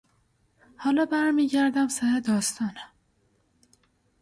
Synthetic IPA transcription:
hɒːlɒːbæɾmiːɟæɾd̪æmsæhed̪ɒːst̪ʰɒːnæ

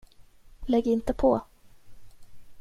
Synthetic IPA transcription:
lɛɡɪnt̪əpʰɔ

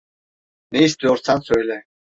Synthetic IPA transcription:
nɛist̪yjɔɾsʰansøjlɛ

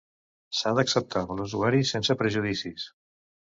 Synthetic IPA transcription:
saðəksəp̚t̪ʰaluzuaɾisensəpɾəʒuðisis

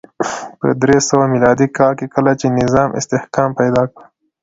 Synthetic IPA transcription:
pə̰d̪ɾesəwamilɑd̪ikɑlkekəlat͡ʃenɪzɑmʔɪ̰st̪ɪhkɑmpajd̪ɑkɽə

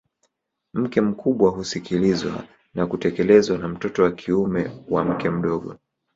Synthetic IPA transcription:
m̩kɛm̩kʰuɓwaɦusikilizwa̰ | nakutɛkɛlɛzwanam̩tɔtɔwakʰiumɛwam̩kɛm̩ɗɔɠɔ̰

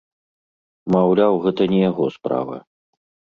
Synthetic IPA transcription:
mawlʲawɣɛt̪ɐnʲɛjaɣɔspɾa̰vɐ̰

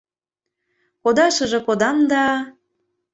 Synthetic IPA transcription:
kod̪ɑʃə̆ʒĕkod̪ɑmd̪ɑ

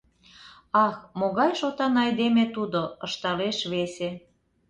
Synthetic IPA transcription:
ɑxmoɣɑjʃot̪ɑnɑjd̪emet̪ud̪oəʃt̪ɑleʃβese

